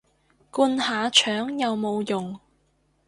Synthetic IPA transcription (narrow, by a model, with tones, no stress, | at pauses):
kuː˧nhaː˨˧t͡ʃʰœː˨˥ŋjɐ˨wmo˨˧wjʊ˨ŋ